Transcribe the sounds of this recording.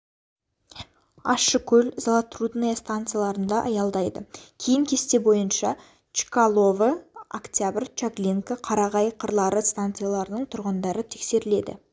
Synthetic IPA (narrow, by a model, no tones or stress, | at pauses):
ɑʃəkʲʰɵlzalˠat̪rud̪nejast̪ant̪sɨjalˠɑɾənd̪ɑʔɑjɑlˠd̪ɑjd̪ə̰kʲʰejɪŋkʲʰe̞st̪e̞bo̞jənʃɑ | t͡ʃi̥kalˠo̞vəakt̪ʲjabɪrt͡ʃaklʲiŋkəqʰɑɾɑʁɑjqʰəɾlˠɑɾəst̪ant̪sɨijalˠɑɾənəɴt̪ʰʊɾʁənd̪ɑɾət̪ʰe̞kse̞ɾɪle̞d̪ɪ̰